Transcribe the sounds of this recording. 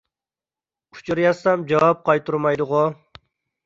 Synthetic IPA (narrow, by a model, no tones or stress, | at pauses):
u̥t͡ʃʰuɾjɑsɑmd͡ʒɑwɑp̚qɑjt̪uɾmɑjd̪ʊʁʊ